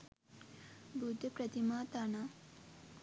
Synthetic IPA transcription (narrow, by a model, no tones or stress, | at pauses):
bʱud̪ʱəpɾɐt̪imaːt̪ana